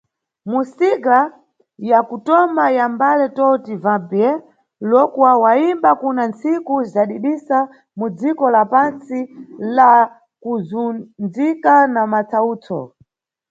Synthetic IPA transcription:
musiɡa | jakutɔmajambalɛtɔtivapjɛ | lɔkwawaimbakunant͡sikuzaɗiɗisa | mud͡zikɔlapant͡sila | kuzund͡zikanamat͡sʰauːt͡sʰɔ̰

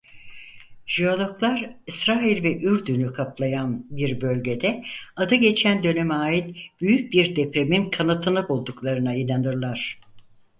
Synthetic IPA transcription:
ʒ̥iolˠoklˠaɾisɾaːilʲvɛʔyɾd̪ynykʰaplˠajanbiɾbø̞lʲɟe̞d̪ɛad̪ɯɟe̞t͡ʃʰænd̪ø̞nemaːjit̪b̥yjyc̚biɾd̪epɾe̞minkʰanat̪ʰɯnɯbulˠd̪uklˠaɾɯnainanɯɾlˠaɾ̝̥

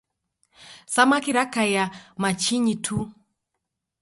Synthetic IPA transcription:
samakiɾakajamat͡ʃiɲitʰu

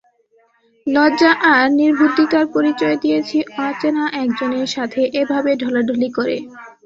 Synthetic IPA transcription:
lɔd͡ʑaʔaɾniɾbʱud̪it̪aɾpoɾit͡ɕɔed̪ijet͡ɕʰiʔãt͡ɕenaʔɛkd͡ʑoneɾʃat̪ʰeʔebʱabeɖʱɔlaɖʱolikoɾḛ

